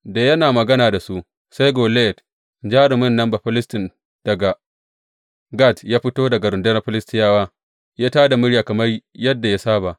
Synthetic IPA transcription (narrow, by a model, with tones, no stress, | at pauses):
daː˨jɐ˦naː˨mɐ˨ɡɐ˦naː˨da˨su˦ | sa˦jɡoː˨le˦ɛ˨t | d͡ʒaː˦ɾɪ˨mʊ˦nːɐ˦mba˨ɸɪ˦lɪ˦stɪ˨n | d̥ɐ˨ɡa˨ | ɡa˦˨tjaː˦ɸɪ˦toː˦dɐ˨ɡa˨ɾʊ˨ndɐ˦nɐ˦ɸɪ˦lɪ˦stɪ˦jaː˦waː˦ | jaː˦taː˦da˨mʊ˦ɽjaː˨kɐ˨mɐ˦rjɐ˦dːa˨ja˦saː˦ba˨ʔ